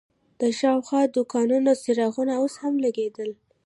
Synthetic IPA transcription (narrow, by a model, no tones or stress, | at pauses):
d̪̥əʃɑwxwɑd̪ukɑnunosiɾɑɣunaoshamlaɡed̪əl